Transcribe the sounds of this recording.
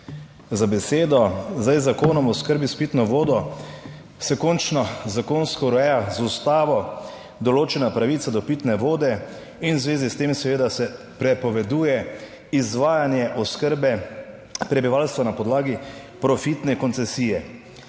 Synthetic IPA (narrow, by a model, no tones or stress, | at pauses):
zabɛseːd̪ɔzd̪ajzakoːnɔmɔskəɾbispit̪nɔʋoːd̪ɔ | sɛkɔːnt͡ʃnɔzakoːnskɔɾɔɛjazust̪aːʋɔ | d̪ɔloːt͡ʃɛnapɾaʋiːt̪sad̪ɔpit̪nɛʋoːd̪ɛ | inwzʋeːzist̪eːmsɛʋeːd̪asɛ | pɾɛpɔʋɛd̪uːjɛ | izʋaːjanjɛʔɔskəɾbɛ | pɾɛbiʋaːlst̪ʋanapɔd̪laːɡi | pɾɔfit̪nɛkɔnt̪sɛsiːjɛ